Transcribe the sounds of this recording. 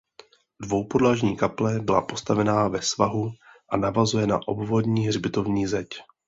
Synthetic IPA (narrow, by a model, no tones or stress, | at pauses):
dvo̞wpo̞dlaːʒɲiːkaplɛbɪla̰po̞st̪avɛnaːvɛsvaɦuʔanavazujɛna̰ʔo̞bvo̞dɲiːɦrbɪt̪o̞vɲiːzɛc